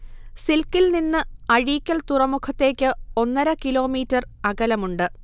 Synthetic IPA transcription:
silkːilninːɨɐɻiːkʲːɐlt̪urɐmukʰɐt̪ːe̞ːkʲːɨo̞nːɐɾɐkilo̞ːmiːtːɐrɐɣɐlɐmuɳɖɨ

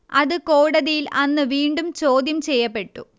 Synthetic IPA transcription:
ɐðɨkoːɽɐðijilɐnːɨʋiːɳɖumt͡ɕo̞ːd̪jɐmt͡ɕejːɐpːe̞ʈːu

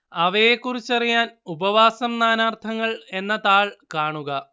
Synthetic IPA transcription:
ɐʋɐjekːurit͡ɕːɐrijaːnubɐʋaːsɐmnaːnaːrt̪ʰɐŋːɐɭe̞nːɐt̪aːɭkaːɳuɣɐ

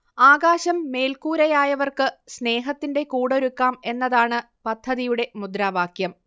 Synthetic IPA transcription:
aːɡaːɕɐmːe̞ːlkuːɾɐjaːjɐʋɐrkɨsne̞ːɦɐt̪ːinde̞kuːɽo̞ɾukːaːme̞nːɐðaːɳɨ | pɐd̪ʱːɐðijuɽe̞mud̪ɾaːʋaːkʰjɐm

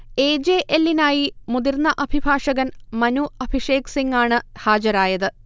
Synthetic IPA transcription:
e̞ːd͡ʑeːʔelːinaːjimud̪irnːɐʔɐbʱibʱaːʂɐɣɐnmɐnuɐbʱiʂe̞ːksiŋɡaːɳɨhaːd͡ʑɐɾaːjɐðɨ

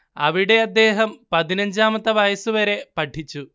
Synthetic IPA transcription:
ɐ̰ʋiɽeːɐd̪ːɛːɦɐmpɐd̪inɐɲd͡ʒaːmɐt̪ɐʋɐjɐsuʋɐɾepɐʈʰːit͡ʃːu

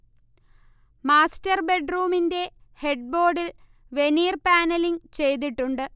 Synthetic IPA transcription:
maːstɐrbe̞ɖruːminde̞he̞ɖ̚bo̞ːɖil | ʋe̞niːrpaːnɐliŋt͡ɕe̞jt̪̬iʈːuɳɖɨ

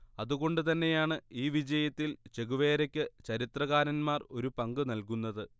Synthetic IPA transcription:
ɐðuɣo̞ɳɖɨt̪ɐnːejaːɳɨiːʋid͡ʑɐjɐt̪ːilt͡ɕe̞ɣuʋe̞ːɾɐkʲːɨt͡ɕɐɾit̪rɐɣaːɾɐnmaːro̞ɾupɐŋɡɨnɐlkunːɐðɨ

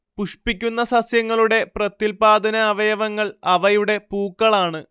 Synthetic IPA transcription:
puʂpikʲːunːɐsɐsjɐŋːɐɭuɽe̞prɐt̪ːilpaːd̪ɐnɐːʋɐjɐʋɐŋːɐɭɐʋɐjuɽe̞puːkːɐɭaːɳɨ

